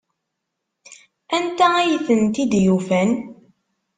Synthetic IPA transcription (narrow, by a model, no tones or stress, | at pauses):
ænt̪ææjəθənt̪id̪jufæn